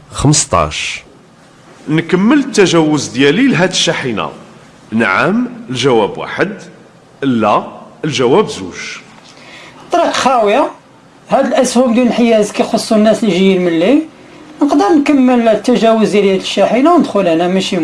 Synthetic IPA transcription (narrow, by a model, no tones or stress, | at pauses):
xəməst̪ˤɑ̰ʃ | nkəmːələt̪ːæʒæwʊzd̪jælilɦæd̪əʃːaħina̰ | nʕəməlʒæwæbwa̰ħəd̪ | ʔəlːæəlʒæwæbzṵʒ | t̪ˤːɑɾiqxæwja | hæd̪əlʔæshubd̪unəlħəjæzkæjxosˤːunːæsliʒəjinməlːi | nəqd̪əɾnkəmːəlt̪ːæʒæwʊzd̪jælihæd̪əʃːæħinawnəd̪xʊlhnæmæʃim